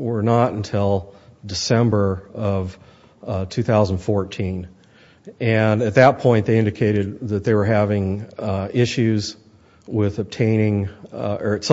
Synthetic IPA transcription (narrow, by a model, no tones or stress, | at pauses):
wə˞nəɾɨ̃n̩tʰɪlˠdɨsɛ̃mbə˞ʌv̥ | tʰʉθaʊzn̩fɔɹtʰĩn | ɨ̃nɨt̪̚ðɨt̚pʰɔ̃ɪ̃nðeɪɪ̃ndɨkʰeɪɾɨd̪̚ðɨt̪̚ðeɪwə˞ɦævɪ̃ŋ | ɪʃʉz | wɪðɨb̚tʰẽɪ̃ñɪ̃ŋə˞ɨts